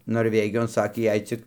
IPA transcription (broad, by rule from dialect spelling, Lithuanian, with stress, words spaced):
noːrʲˈʋʲæːɡʲɪjoːn ˈsɑːkʲeː ˈjɛɪ t͡sʲɪk